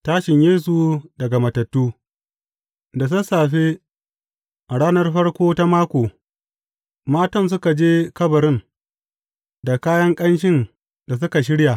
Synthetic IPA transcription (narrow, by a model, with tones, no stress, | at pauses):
taː˦ʃɪ˨ɲjeː˦s̬u˨dɐ˨ɡa˨mɐ˨tɐ˨tːuː˦ | da˨s̬ʊ˦saː˨ɸe˦ | ʔa˨ɽaː˦nɐ˦rɸɐ˦rkʷoː˦ta˦maː˦kʷoː˨ | maː˦tɔ˦ns̬ʊ˦ka˨d͡ʒeː˦kɐ˦bɐ˨ɾɪ˦n | da˨kaː˦jɐ˦ŋkʼɐ˦nʃ̬ɪ˦n | da˨s̬ʊ˦ka˨ʃ̬ɪ˦ɽja˨